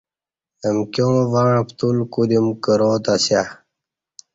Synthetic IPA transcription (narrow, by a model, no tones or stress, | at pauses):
nəmkʲjõːvaɻ̃pt̪ulkud̪imkəɾoːt̪asja